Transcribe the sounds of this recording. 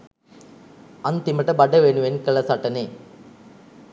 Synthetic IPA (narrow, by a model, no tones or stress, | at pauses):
ɐnt̪imɐʈːɐbɐɖːɐʋeːɳɯʋenkɐɭɐsɐʈːɐneː